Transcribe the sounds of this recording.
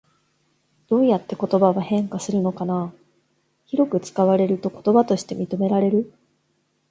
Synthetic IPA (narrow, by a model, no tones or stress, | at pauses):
d̪̥o̞ːjat̪ːe̞ko̞t̪o̞baβahẽ̞ŋkasɨɾɯ̟no̞kana | çiɾo̞kɯ̟t͡sɨ̥kaβ̞aɾe̞ɾɯ̟t̪o̞ko̞̥t̪o̞bat̪o̞ɕi̥t̪e̞mʲit̪o̞me̞ɾaɾe̞ɾɯ̟